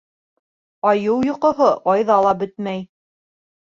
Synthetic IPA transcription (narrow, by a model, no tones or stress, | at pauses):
ɑjɤwjŏqŏɦoʔɑjðɑlˠɑbɘt̪mæj